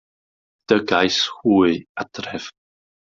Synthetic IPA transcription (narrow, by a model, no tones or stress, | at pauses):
d̥əɡajshuːɨad̥rɛv̥